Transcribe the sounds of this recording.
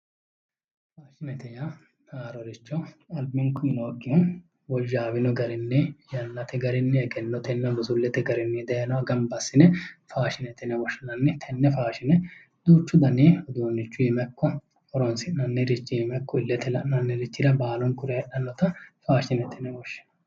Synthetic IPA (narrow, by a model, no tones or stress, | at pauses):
faːʃɪnɛt̪ɛjɐ | naːɾɔɾɪt͡ʃːɔɐlbɪŋkʊmɪnoːɡːɪhɔ | wɔʒːaːwɪnɔɡɐɾɪnːɛjɐnːɐt̪ɛɡɐɾɪnːɛɛɡɛnːɔt̪ɛnːɐɡɔsʊlːɛt̪ɛɡɐɾɪnːɛd̪ɛjɛnɔɐɡɐmbɐsːɪnɛfaːʃɪnɛt̪ɛnɛwɔʃɐnɐnːɛt̪ʰɛnːɛfaːʃɪnɛ | d̪uːt͡ʃːʊd̪ɐniɔd̪uːnːɪt͡ʃːʊjɪmɛkːɔ | ɔɾɔnsɪʔnɐnːɛɾɪt͡ʃːɪɪmɛkːɔɪlːɛt̪ɛlɐʔnɐnːɛɾɪt͡ʃːɪd̪ɐbaːlɔnkʊɾɛɛɗɐnːɔt̪ɐfaːʃɪnɛt̪ʰɛnɛwɔʃːɛ̥nɐ